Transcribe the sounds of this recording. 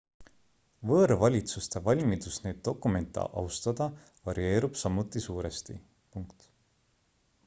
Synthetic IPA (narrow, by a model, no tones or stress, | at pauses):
vɤːɾvɑlʲit̪sust̪e̞vɑlʲmid̪̥usneːd̪̥̚ːo̞kːˑume̞nt̪ːˑɑ̰ʔɑ̰wst̪ɑd̪̥ɑ | vɑɾie̞ːɾub̥sɑmːut̪ːˑisuːɾe̞st̪i | puŋkt̪